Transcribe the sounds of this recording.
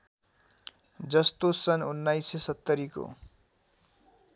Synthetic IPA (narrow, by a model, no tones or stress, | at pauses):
d͡zʌst̪osʌnunːajsesʌt̪ːʌɾiko̰